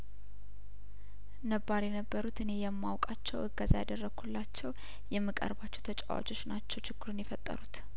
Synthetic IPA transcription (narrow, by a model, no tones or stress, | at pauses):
nəbːaɾjɛnəbːəɾut̪ɨne̞jɛmːawkʼat͡ʃːɛwɨɡazajad̪ərːəɡhulːat͡ʃːɛw | jɛmːɨkʼə̰ɾbat͡ʃːɛwt̪ʰət͡ʃʼa̰wa̰t͡ʃʼo̞t͡ʃːnat͡ʃːɛwt͡ʃɪɡːɨɾunjɛfət̪ʼːə̰ɾut̪